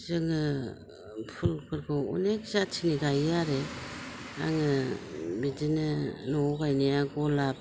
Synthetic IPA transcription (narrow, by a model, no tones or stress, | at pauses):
zɯŋɯ | pʰulpʰɯɾkʰɯṵnekzatʰiniɡajaɾe | a̰ŋɯbidinɯnɔɡajnijaɡolap̚